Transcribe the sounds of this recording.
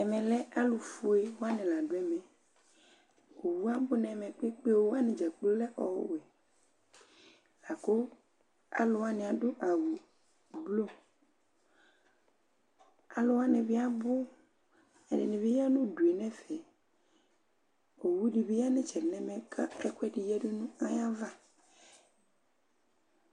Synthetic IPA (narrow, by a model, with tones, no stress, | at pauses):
ɛ˨mɛ̃˨lɛ˦ʔa˦lo˨fu˦e˦wo˦a˦nɛ̃˨la˨ɖo˦ɛ˦mɛ̃˨ | o˨wu˦a˦bo˦nɛ̃˨mɛ̃˨k͡pe˦k͡pe˦wo˦a˦nẽ˨d͡ʒa˨k͡plo˦lɛ˦ʔɔ˨wo̰˦ɛ˨ | la˨ko˦ | a̰˨lo˨wa˦nẽ˨a˨ɖo˦ʔa˨wu˨ | blo˦ | a˨lʊ˦wa˦nẽ˨vɪ˦a˦bʊ˦ | ɛ˨nɪ̰˨nɪ̃˨ve˦ja˦nũ˦du˨e˨nɛ̃˦fɛ˨ | o˨wu˦ɖi˨be˦ja˦nɪ̃˦t͡ʃɛ˨nɛ̃˦mɛ̃˨kʰa˦ɛ˦kwɛ˦ɖi˨jɛ˦ɖʊ˦nũ˦a˦ja˦va˦